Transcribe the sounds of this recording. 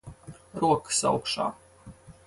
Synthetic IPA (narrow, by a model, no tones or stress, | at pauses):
ɾuɔkɨ̥sa̰wkʃa̰ː